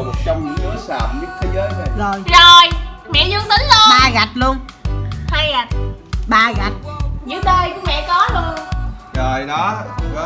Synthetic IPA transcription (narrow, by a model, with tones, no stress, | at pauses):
sə˨˧˦wŋ͡mɨ˨˦əsaː˨˩p̚ɲɨ˦˥k̚t̪ʰe˨˦zəː˨˦jzo˨˩zo˨˩jzo˨˩jmɛ̰˧˨zwɨ˧ənt̪ï˨˦ŋ̟zo˧˩ɓaː˧ɣa˨˩t̚lu˧ənhaː˧jɣa˨˩t̚ɓaː˧ɣa˨˩t̚zɨ̰˧˥ɗəː˧jkʊ˧˥mɛ̰˧˨kɔ˨˦lu˧ənzo˨˩jɗɔ˨˦˧